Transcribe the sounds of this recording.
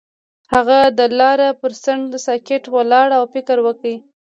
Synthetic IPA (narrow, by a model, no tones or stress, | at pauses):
haɣad̪əlɑɾapəɾsaɳd̪əsɑkeʈwəlɑɽawfɪkəɾwəki